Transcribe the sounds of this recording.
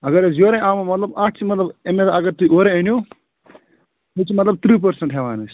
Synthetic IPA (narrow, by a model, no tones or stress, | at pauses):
ɐɡɐɾezjoːɾẽʔaːmɐmɐt̪lɐbaːʈt͡ʃʰimɐt̪lɐbemed̪aɐɡɐɾt̪uʔoːɾẽenju | it͡ʃimɐt̪lɐb̚t̪ʰɾiːp̬ɐɾsɐ̃ɳʈɦeʋaːnɨs